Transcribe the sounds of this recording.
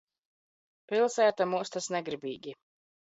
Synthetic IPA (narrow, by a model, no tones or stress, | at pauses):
pilˠsæːt̪amuːst̪asnɛɡɾibiːɡʲi